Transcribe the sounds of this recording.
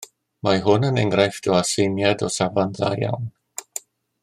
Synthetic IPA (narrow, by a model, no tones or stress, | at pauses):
maɦʊnənɛŋɡrajfd̥ɔasejnjadɔsavanða̰ja̰wn